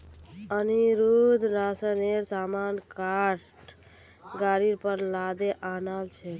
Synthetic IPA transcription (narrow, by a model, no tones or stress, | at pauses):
əniɾud̪ʱɾasəneɾsamankaɾʈ | ɡaɾiɾpəɾlad̪eʔanalt͡ʃʰɛ